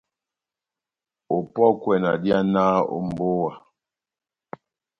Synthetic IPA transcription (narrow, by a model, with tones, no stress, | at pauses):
o˨pɔ˦kwɛ˨na̰˨dja˦na˦o̰˨m˨bo˦wa˨